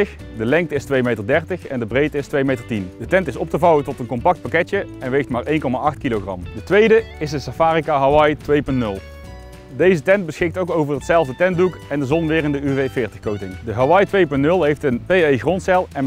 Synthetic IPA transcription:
əx | dəlɛŋktəɪstʋejmejtəɹdɛrtəxɛndəbrejtɪstʋejmejtəɹtindətɛntɪsɔp̚təvɑwətɔtənkɔmpɑk̚t̚pakɛtjəɛnʋejxtmaːɹʔejnkɔmaːʔɑxtkiloχrɑ̰mdətʋejdəɪsdəsafaːrikaɦaʋɑjtʋejpɵntnɵlˠ | dejzətɛnt̚bəsxɪk̚towkowvəɹətsɛlˠvdətɛn̚dukɛndəzɔnʋɪːrɪndəyvejfɪːɹtəxkowtɪŋdəɦaʋɑjtʋejpɵntnɵlˠɦejftənpejejɣrɔntsɛlˠɛn

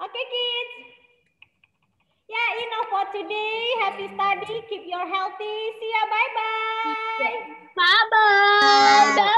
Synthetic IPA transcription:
ʔokekit | jajinofɔtudejɦɛftustadikipjɔɹɦɛlˠt̪isiabajba | pabə

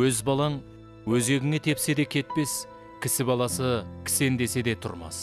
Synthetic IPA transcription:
wɵzbɑlˠɑŋ | wɵze̞ɡʲɪŋe̞t̪ʰe̞pse̞d̪e̞kʲʰe̞t̪̚pe̞s | kʲʰɪsɪbɑlˠɑsəkʲʰɪ̥se̞nd̪e̞se̞d̪e̞t̪ʰʊ̰ɾmɑ̰s

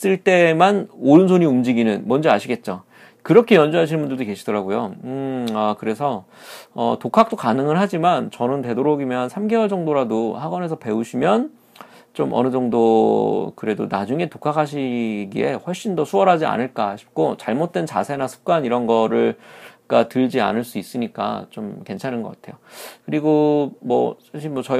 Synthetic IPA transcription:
s͈ɯɭt͈e̞manoɾɯns̬ʰoɲiumd͡ʑiɡinɯnmʌnd͡ʑiaɕʰiɡe̞t̚t͡ɕ͈o | kɯɾʌkʰe̞jʌnd͡ʑuɦaɕʰinmbundɯɭdoke̞ɕʰidʌɾaɡojo | ʌkɯɾe̞sʰʌ | ʌ̰tokʰak̚t͈okanɯŋɯɭɦad͡ʑimant͡ɕʌnɯnte̞doɾoɡimjʌnsʰamɡewʌɭd͡ʑʌŋdoɾadohaɡwʌne̞s̬ʰʌpe̞uɕʰimjʌn | t͡ɕomʔʌ̰nɯd͡ʑʌŋdokɯɾe̞donad͡ʑuŋe̞tokʰakʰaɕ̬ʰiɡḭe̞̰ɸwʌɭɕ͈indʌsʰuʌɾɦad͡ʑia̰nɯɭk͈aɕʰi̥p̚k͈ot͡ɕaɭmot̚t͈we̞nt͡ɕa̰sʰe̞nasʰu̥p̚k͈aniɾʌnɡʌɾɯɭak͈atɯɭd͡ʑia̰nɯɭs͈uis͈ɯɲik͈a̰t͡ɕomke̞nt͡ɕʰanɯnɡʌk͈atʰe̞jokɯɾiɡomʌ̰ | aɕʰimʌt͡ɕʌ

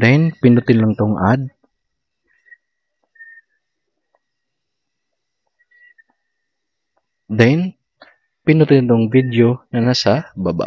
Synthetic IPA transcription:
d̪ɛnpɪnʊt̪ɪnlɐŋt̪ʊŋʔad̪̚ | d̪ɛjn | pɪnʊt̪ɪnt̪ʊŋvid̪jonɐnasababa̰

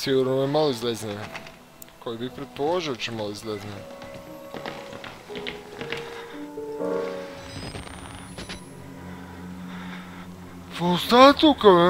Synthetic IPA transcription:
siɡuɾnoemaloizlezne | kojibipɾet̪̚polˠoʒiot͡ʃemaloizlezne | post̪at̪uka

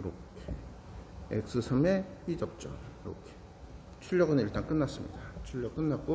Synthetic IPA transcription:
ɯɾokʰe | ḛk̚s͈ɯsʰʌmepid͡ʑʌk̚t͡ɕ͈ʌ̰ɯɾo̰kʰe̥ | t͡ɕʰuʎːʌɡɯniɭt͈aŋk͈ɯnːas͈ɯmɲḭdat͡ɕʰuʎːʌk͈ɯnːat̚k͈o

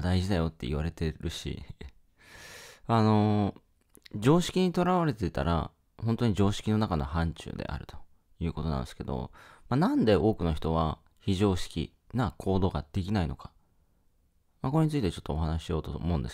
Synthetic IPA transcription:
d̪aiʑid̪ajo̞t̪ːe̞ḭβ̞aɾe̞t̪e̞ɾɯ̟ɕḭ | ano̞ | d͡ʑo̞ːɕi̥kʲiɲ̟it̪o̞ɾaβaɾe̞t̪eit̪a̰ɾʔa̰ | hont̪o̞ɲ̟iʑo̞ːɕi̥kʲino̞nakano̞hãɲ̟t͡ɕɨ̰ːd̪e̞̰ʔa̰ɾɯ̟t̪o̥ | jɯ̟ːko̞t̪o̞nã̰nd̪ske̞d̪o̞̰manãnd̪e̞ʔo̞ːkɯ̟no̞çi̥t̪o̞β̞a | çiʑo̞ːɕi̥kʲḭ | nakʰo̞ːd̪o̞ːɡad̪̥e̞kʲinaino̞̰kḁ | makoe̞ɲ̟it͡sɨit̪e̞t͡ɕo̞t̪ːoːɦanaɕijo̞ːt̪omõ̞̟ːnd̪es

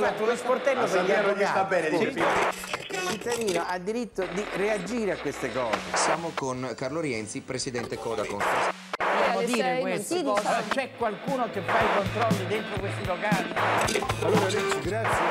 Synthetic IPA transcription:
mat̪ːulosport̪ɛlːopːamosat̪abːɛːned̪i | ilt͡ʃit̪ːad̪iːnoad̪ːiɾit̪ːod̪iread͡ʒiːɾeakːwest̪ekɔ̰ːzesjaːmokonkarloɾjɛnt̪sipɾesid̪ɛnt̪ekɔːd̪akona̰s | amod̪iːɾewest̪it͡ʃɛkwalkuːnokefːaikont̪ɾɔlːid̪ent̪ɾokwest̪ilokalialːoːɾaɡɾasːje

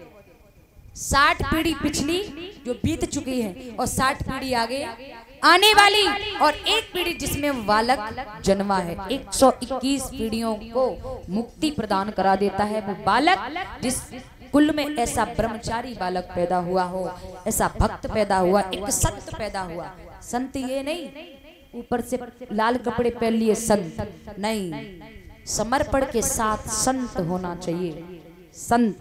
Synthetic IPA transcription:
saːʈʰpiːɽipɪt͡ʃʰlid͡ʒoːbʱiːt̪t͡ʃʊkiɦɛ̃ːɔːɾsaːʈʰpiːɽiaːɡəeaːneʋaːliɔːɾeːk̚piːɽid͡ʒɪsmẽʋaːlək | d͡ʒɐnʋaɦɛeːksɔʔɪkːiːspiːɽijõkomʊkt̪ipɾɐd̪aːnkɐɾad̪eːt̪aɦɛʋobaːləkd͡ʒɪs | kʊlmẽɛːsabɾəmt͡ʃaːɾibaːlək̚pɛːd̪aɦʊaɦoːɛːsabʱɐkt̪pɛːd̪aɦʊaʔeːksɐ̃nt̪pɛːd̪aɦʊa | sɐ̃nt̪jenɐɦĩ | uːpəɾselaːlkəpɽepɛːliesɐ̃nt̪nɐɦĩ | sɐməɾpəɽkesaːt̪ʰsɐ̃nt̪ɦoːnat͡ʃaːɦie | sɐ̃nt̪

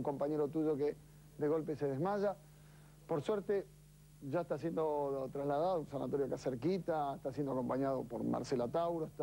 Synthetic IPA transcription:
ŋko̞mpaɲeɾot̪uʒo̞ke | d̪eɣo̞lpeseð̞ezmaʒa | poɾsweɾt̪e | ʒaeht̪as̬jend̪ot̪ɾaslaðaðounsana̰t̪oɾjokaseɾkit̪aest̪asjend̪oako̞mpaɲað̞opoɾma̰ɾselat̪awɾoeht̪

